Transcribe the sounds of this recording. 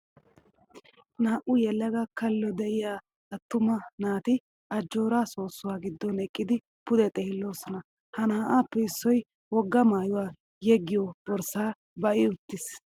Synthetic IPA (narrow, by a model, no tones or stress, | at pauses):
naːʔʊjɛlːɐɡɐkɐlːɔd̪ɛʔɪjaː | ɐt̪ːʊmɐnaːt̪ɪ | ʔɐd͡ʒːo̞ːɾaːso̞ːsːʊwaːɡɪd̪ːɔnɛkʼːɪd̪ɪ | pʊd̪ɛt̪ʼɛːhɪlːo̞ːsɔnɐ | hɐnaːʔaːpːɛɪsːɔj | wɔɡːɐmaːjʊwaː | jɛɡːɪjɔbɔɾsaː | bɐʔɪʊt̪ːɪs